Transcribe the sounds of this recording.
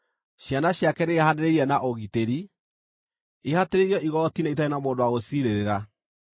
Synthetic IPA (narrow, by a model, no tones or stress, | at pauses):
ɕjanaɕjakɛɾeahaneɾeɾiɛnaʔoɣiteɾi | ehateɾeɾjɔʔiɣɔtinait̬aenamoːndowaɣosiɾeɾeɾa